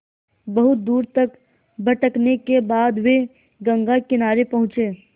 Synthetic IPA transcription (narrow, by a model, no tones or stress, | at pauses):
bɐɦʊt̪̚d̪uːɾt̪ɐk | bʱɐʈəknekebaːd̪ʋe | ɡə̃ŋɡakɪnaːɾepɐɦʊ̃t͡ʃeː